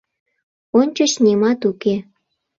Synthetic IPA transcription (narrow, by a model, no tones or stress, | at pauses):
onʲt͡ɕot͡ɕnemɑt̪uke